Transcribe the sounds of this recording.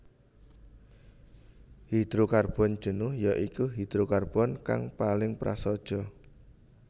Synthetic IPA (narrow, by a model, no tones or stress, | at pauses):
hid̪̥ɾukarb̥ɔ̤n̥ʒ̥ə̤nʊhjaʔikuɦid̪̥ɾukarb̥ɔnka̰ŋpalɪŋpɾa̰sɔd̥ʒ̥ɔ̤